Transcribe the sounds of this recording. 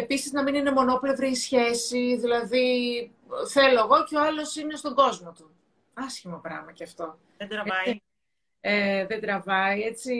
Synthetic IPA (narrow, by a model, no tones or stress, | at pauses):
e̞pisiznɐminine̞mo̞no̞ple̞vɾiisçe̞siðilɐði | θe̞lo̞ɐɣo̞ceo̞ɐlo̞sine̞st̪o̞ɡo̞zmo̞t̪u | ɐsçimo̞pɾɐmɐceɐft̪o̞ | d̪ɾɐ | eðed̪ɾɐvɐie̞t͡si